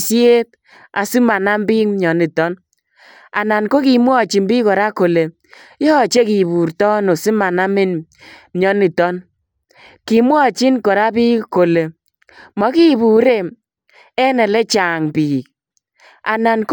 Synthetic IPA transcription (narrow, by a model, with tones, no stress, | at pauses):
sje˦t̚ | a˨si˦ma˨na˦mbi˦kmɲɔ˨ni˨tɔ˦n | a̰˨na˨nko˦ki˨mwɔ˦˨t͡ʃi˨nbi˦kɔ˨ɾa˦ko˨le˨ | jɔ˦˨t͡ʃe˦ki˨bu˨ɾtɔ˦no˨si˦ma˨na˦mɪ˦n | mɲɔ˦ni˨tɔ˦n | ki˨mwɔ˦˨t͡ʃi˦nkɔ˨ɾa˦bi˦ko˨le˨ | mɔ˨ki˦bu˨ɾe˦˨ | ɛ˦nɛ˨lɛ˦t͡ʃa˨ŋpiː˨k̚ | a̰˨na˨nk